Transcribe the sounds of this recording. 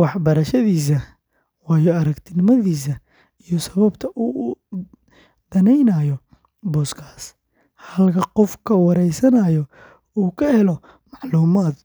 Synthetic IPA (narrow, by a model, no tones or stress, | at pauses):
wɑħbɐɾɐʃɐðiːs̬ɐ | wɑːjɔɐɾɐkt̪ʰɪnɪmɐðiːs̬ɐ | ijɔsɐβɐbt̪ʰɐʔuː | d̪̥ɐnɛjnɐjɔ | bɔːskʰḁːs | hɐlkʰɐqɔfkʰɐwɑɾɛjsɐnɐjɔ | uːkʰɐhɛlɔ | mɑʕluːmaːd̪